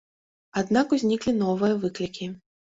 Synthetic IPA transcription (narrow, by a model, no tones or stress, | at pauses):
ad̪nakuzʲnʲiklʲinɔvɨjɐvɨklʲikʲi